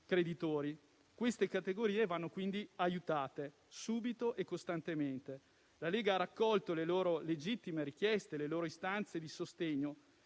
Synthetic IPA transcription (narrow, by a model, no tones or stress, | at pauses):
kɾed̪it̪oːɾi | kwest̪ekat̪eɡoɾiːevanːokwind̪iajut̪aːt̪e | suːbit̪oʔekːost̪ant̪ement̪e | laleːɡaarakːɔlt̪oleloːɾoled͡ʒit̪ːimeɾik̟jɛst̪eleloːɾoist̪ant̪sed̪isost̪eɲːo